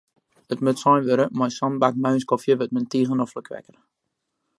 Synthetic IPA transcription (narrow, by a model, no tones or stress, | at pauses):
ətmøtsɔjnʋøɾəmɔjsɔnbakmaɥnskɔfjəʋət̚məntiːɣənɔfləkʰʋɛ̰kər